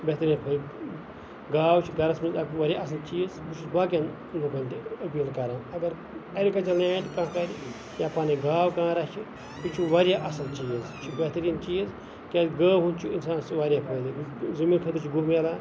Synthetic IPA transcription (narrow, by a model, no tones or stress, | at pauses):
bet̪ɐɾʲiːnpʰɐɾʲ | ɡaːwt͡ʃʰiɡɐɾɐsmiɐkʋɐɾʲjaɐs̬ɐnt͡ʃiːzbut͡ʃʰusbaːkjan | luɡɐnt̪iɐpiːlkɐɾãːnɐɡɐɾ | ɐɾʲikɐt͡ʃɐlnaːʈʲkãːkɐɾʲi | jaːpaːniɡaːwkãːɾɐt͡ʃʰi | t̪ut͡ʃʰuʋɐɾjaːʔɐsɐnt͡ʃiːzt͡ʃʰubeɦt̪ɐɾiːnt͡ʃiːz | kʲeːt̪ɡəːɦunt͡ʃʰuinsaːnsʋaɾʲjaːpʰɐːd̪izɐmiːnkʰɐt̪ɨt͡ʃʰiɡumelaː